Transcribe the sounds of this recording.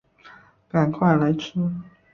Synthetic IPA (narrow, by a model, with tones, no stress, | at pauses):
ka˨˩nkʰwa˥˩ɪla˧˥ɪʈ͡ʂ̩ʰ˥